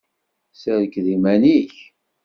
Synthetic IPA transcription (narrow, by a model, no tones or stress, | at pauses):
səɾəkðimæniç